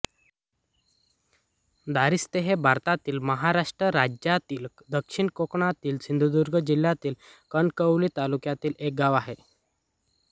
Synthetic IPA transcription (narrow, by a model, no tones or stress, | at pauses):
d̪aɾist̪eɦebʱaɾt̪at̪iːlməɦaɾaʂʈɾəɾad͡ʑjat̪iːl | d̪əkʂiɳkokɳat̪iːlsind̪ʱud̪uɾɡəd͡ʑil̤ːjat̪iːlkənkəwlit̪alukjat̪iːlek̚ɡaʋaɦe